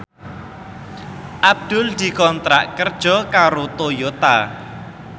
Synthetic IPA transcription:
ʔab̚d̪̥ʊ̤ld̪̥i̤kɔnt̪ɾaʔkərd̥ʒ̥ɔ̤kaɾot̪ojot̪a

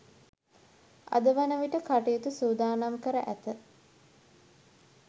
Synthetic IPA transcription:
a̰d̪əʋanəʋiʈəkaʈijut̪usuːd̪aːnamkəɾəʔæt̪ə

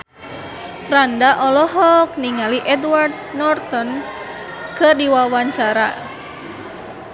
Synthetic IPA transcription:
fɾandaʔɔlɔɦɔk̚niŋaliʔɛdward̪̚ | nɔrt̪ɔn | kɨrdiwawaɲt͡ʃaɾa̰

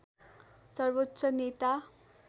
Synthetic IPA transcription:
sʌrbotːsʌnet̪a

